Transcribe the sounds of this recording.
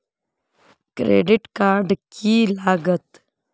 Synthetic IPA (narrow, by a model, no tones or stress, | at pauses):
kɾḛːɖɪʈkaːɾɖkʰilaːɡət̪